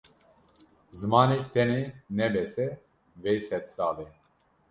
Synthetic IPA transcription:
zɨmɑːnekt̪ʰɛnenɛbɛsɛ | vɛjsɛt̪sɑːle

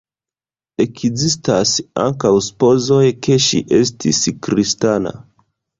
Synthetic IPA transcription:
ekzistasa̰ŋkawspo̞zo̞jkʰe̞ʃḭʔe̞s̬tʰḭskɾistana̰

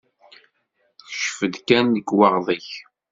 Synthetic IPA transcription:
θʃfəd̪kænːəɡwɑʁðˤiç

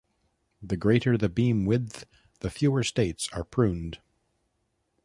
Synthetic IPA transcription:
ðɨɡɹeɪɾə˞ðɨbĩmwɪð | ðɨfjʉə˞steɪtsə˞pʰɹ̥ʉ̃nd̥

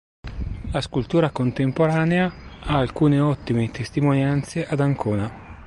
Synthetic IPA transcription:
laskult̪uːɾakont̪empoɾaːneaaːlkuːneɔt̪ːimet̪ʰest̪imonjant̪seʔad̪aŋkʰoːna

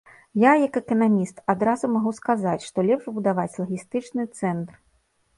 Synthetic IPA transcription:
jajɐkɛkɐnamʲist̪ad̪ɾazumaɣuskazat͡sʲʂt̪ɔlʲɛpʐbud̪avat͡sʲlˠɐɣʲist̪ɨt͡ʂnɨt̪sɛnt̪r

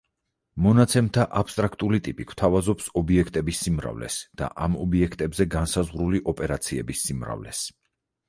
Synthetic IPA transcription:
mɔnat̪sʰɛmt̪ʰaʔapʰst̪ʼɾakʰt̪ʼulit̪ʼipʼikʰw̥t̪ʰavazɔpsɔbiɛkʰt̪ʼɛbisːimɾa̰vlɛ̰sd̪̥a̰ʔamɔbiɛkʰt̪ʼɛbzɛɡansazʁɾuliʔɔpʼɛɾat̪sʰiɛbisːimɾa̰vlɛ̰s

